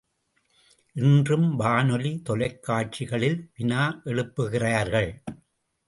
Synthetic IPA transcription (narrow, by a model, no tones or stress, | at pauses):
ʔɪndrɯmʋaːnɔlit̪ɔlɐɪkːaːʈ̚t͡ʃɪɣɐɭɪlʋɪnaːʔɛɻɯpːɯɣɪraːɾɣɐɭ